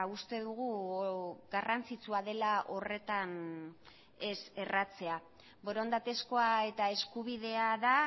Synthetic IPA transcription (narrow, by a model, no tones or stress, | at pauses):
ust̪e̞ðuɣu | ɣarant͡sit͡suaðe̞laʔo̞re̞t̪an | e̞se̞rat͡se̞a | bo̞ɾo̞nd̪at̪e̞sko̞ae̞t̪ae̞skuβ̞iðe̞aða